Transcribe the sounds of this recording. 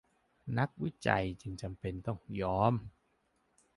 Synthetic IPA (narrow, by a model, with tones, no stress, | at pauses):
na˦˥k̚wi˦˥˩t͡ɕa̰˨˧jt͡ɕɯ˧ŋt͡ɕa˨˧mpe˧nt̪ɔ˥˩ŋjɔː˦˥m